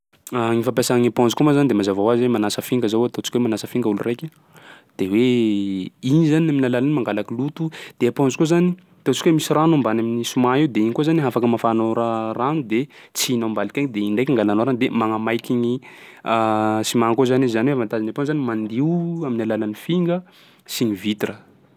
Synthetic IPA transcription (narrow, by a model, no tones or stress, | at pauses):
aŋifapasaŋipɔ̃nzukomazanid̪emazavawazwemanasəfiŋɡəzowat̪ot͡ʃi̥kʲwemanasəfiŋɡəulurajkʲi | d̪̥ewe | inizaniaminalalanimaŋɡalakilut̪ud̪̥eapɔ̃nzikozani | t̪ot͡si̥kʲwemisiranambanaminisumaiwd̪eiɲikozaniɦafakəmafanoɾaranud̪et͡siinambalikʲaŋd̪eiɳɖ͡ʐajkaŋɡalanoɾand̪emaŋamajkʲiɲiasimakozanizanwevant̪azinaponzanimand̪iuaminalalanifiŋɡə | siɲivit̪rə